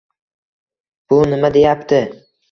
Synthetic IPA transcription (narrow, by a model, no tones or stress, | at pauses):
b̥ʊnɪmad̪e̞japt̪ʰɪ